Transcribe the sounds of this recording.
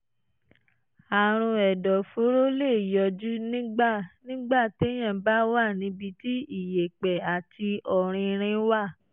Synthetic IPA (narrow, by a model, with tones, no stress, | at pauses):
a˨ɾ̃ũ˧ɛ˨dɔ˨fo˨˦ɾo˦le˦˨jɔ˨d͡ʒu˦nĩ˦ɡ͡ba˦˨nĩ˦ɡ͡ba˦˨te˨˦j̃ã˦˨ba˨˦wa˦˨nĩ˧˦bi˧ti˦i˦˨je˨k͡pɛ˨a˨ti˧ɔ˨ɾ̃ĩ˧ɾ̃ĩ˧˦wa˦˨